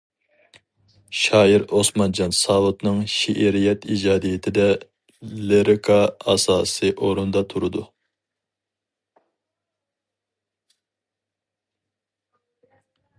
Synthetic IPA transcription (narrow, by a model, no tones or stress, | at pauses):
ʃɑːiɾosmɑnd͡ʒɑnsɑːwut̪nɨŋʃiʔeɾijɛt̪id͡ʒɑːd̪ijɪt̪ʰɪd̪ɛ | leɾɪkʰɑɑ̰sɑːsɨʔoɾund̪ɑt̪ʰuɾɨd̪u